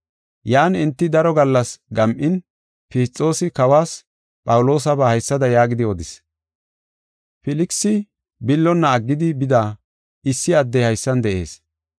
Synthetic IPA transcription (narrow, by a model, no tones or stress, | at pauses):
jaːnɪnt̪ːɪd̪ɐɾɔɡɐlːɐsɡɐmʔɪn | pɪːt͡sʼːo̞ːsɪkɐwaːs | pʼɐwʊlo̞ːs̬ɐbɐhɐjsːɐd̪ɐjaːɡɪd̪ɪɔd̪ɪs | fɪlɪksɪ | bɪlːɔnːɐːɡːɪd̪ɪbɪd̪aː | ɪsːɪɐd̪ːɛjhɐjsːɐnd̪ɛʔe̞̰ːs